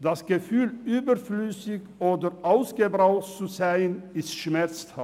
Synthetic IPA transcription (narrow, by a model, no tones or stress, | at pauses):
d̥asɡ̥əfyːlʔyːbəflysɪçʔoːdəʔaʊsɡ̥əbʁaʊtt͡suzaɪənɪstʃmɛʁt͡stha